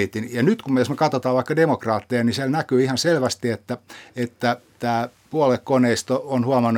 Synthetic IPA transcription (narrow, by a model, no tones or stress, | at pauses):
it̪injɑnyt̪kumejosmekɑt̪ot̪ɑːʋɑikːɑdemokrɑːt̪ːejɑnisielnækyːihɑnselʋæst̪iet̪ːæet̪ːæt̪ːæː | puɑlekkoneist̪oonhuɑmɑnːu